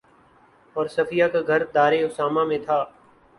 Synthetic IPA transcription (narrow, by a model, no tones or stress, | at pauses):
ɔːɾsɐfɪjakaɡʱɐɾd̪aːɾeʊsaːmamẽt̪ʰaː